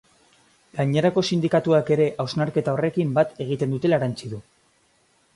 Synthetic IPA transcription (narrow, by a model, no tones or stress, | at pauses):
ɡaɲe̞ɾako̞sind̪ikat̪uake̞ɾe̞ʔawznaɾke̞t̪ao̞re̞kimbat̪e̞ɣ̞it̪e̞nd̪ut̪e̞laɾant͡siðu